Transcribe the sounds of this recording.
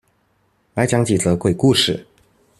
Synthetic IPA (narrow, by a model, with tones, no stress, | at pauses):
la˨˧˥ɪt͡ɕjɑ˧˥ŋt͡ɕi˨˩t͡sɤ˧˦kwe˥˩ɪku˥˧ʂɻ̩˥˩